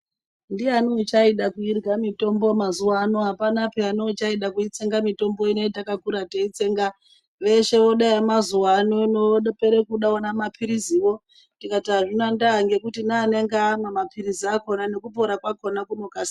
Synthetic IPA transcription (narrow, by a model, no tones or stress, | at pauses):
ndianot͡ʃaiɗakuirɡamito̞mbomazuwanoɦapanapeanot͡ʃaiɗakuit͡se̞ŋɡamito̞mbo̞ineitakakuɾateit͡se̞ŋɡa | ʋe̞ʃe̞ʋo̞ɗaemazuwanonoɗpeɾekuɗaonamapʰiɾiziwo̞ | ndikataʐinandaŋɡe̞kutinaːne̞ŋɡamamapʰiɾiziako̞nane̞kupo̞ɾakwako̞nakunokasi